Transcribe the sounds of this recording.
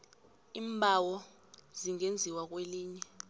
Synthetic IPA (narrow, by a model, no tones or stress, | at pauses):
iːmbʱawɔ | ziŋend͡zʱiwak̬ʼweliːɲɛ